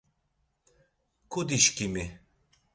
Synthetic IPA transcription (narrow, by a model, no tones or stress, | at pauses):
kʰud̪iʃkimi